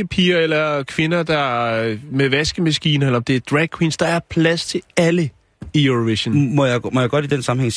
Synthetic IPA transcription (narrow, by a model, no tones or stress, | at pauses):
əpʰiːɐelɐkʰʋe̝nɐd̥ɑ̈ | meʋæsɡ̥əmæsɡ̥ḭːnɐelɐɒ̽md̥e̝æɐd̥ʁɛɡ̥̚kʰwiːnsd̥ɑ̈æɐpʰlæst͡sʰe̝ælə | ioʋiɕnmɒjmɒjɑ̈ɡ̥ɒ̽d̥id̥ensɑ̈m̩heŋ̰